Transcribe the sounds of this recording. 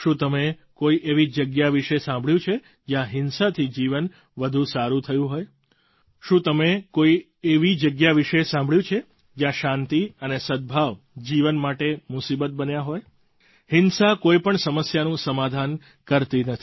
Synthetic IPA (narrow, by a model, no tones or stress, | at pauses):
ʃũt̪əme | koiʔeʋid͡ʒəɡjaʋiʃesãmbɭjũt͡ʃʰe | d͡ʒjãɦɪnsat̪ʰid͡ʒiʋən | ʋəd̪ʱũsaɾũt̪ʰəjũɦoj | ʃũt̪əmekoi | eʋid͡ʒəɡjaʋiʃesãmbʱɭjũt͡ʃʰe | d͡ʒjãʃãnt̪iənesəd̪̚bʱaʋ | d͡ʒiʋənmaʈemusibət̪̚bənjaɦoj | hɪnsakoipəɳsəməsjanũsəmad̪ʱan | kəɾt̪inət̪ʰi̥